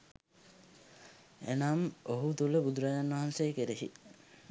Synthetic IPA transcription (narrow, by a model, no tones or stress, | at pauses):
ḛnamoɦut̪uləbud̪uɾajanʋɐɦansejəkeɾeɦḭ